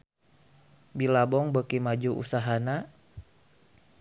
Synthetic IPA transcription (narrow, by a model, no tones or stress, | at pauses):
bilabɔŋbəkimad͡ʒuʔṵsaɦana